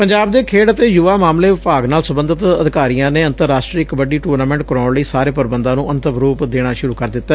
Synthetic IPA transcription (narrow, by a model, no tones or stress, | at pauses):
pəɲd͡ʒaːbd̪eːkʰeːɽət̪eːjʊʋaːmaːmleːʋɪpaːɡnaːlsəbənd̪ət̪əd̪ɪkaːɾijãːneːənt̪əɾːaːsʈɾiːkbəɖiːʈuːɾnaːmɛ̃ːɳʈ̚kəɾaːɳləiːsaːɾeːpəɾbənd̪ãːnũːʔənt̪əbɾuːpd̪eːɽ̃aːʃʊɾuːkəɾd̪ɪt̪ːaː